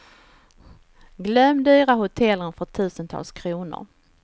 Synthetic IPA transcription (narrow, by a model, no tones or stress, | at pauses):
ɡlœmːd̪yːɾahʊt̪ʰɛlːənfœʈ̪ʰʉ̟ːsənt̪ʰɑ̰ːlskʰɾuːnʊ̰ɾ